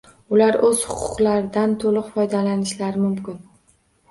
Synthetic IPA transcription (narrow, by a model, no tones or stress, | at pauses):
ʊlaɾɵz̥hʊqʰʊ̥qlaɾɪd̪ant̪ʰolˠʊqfɒjd̪alanɪʃlaɾɪmʊmkʲɪn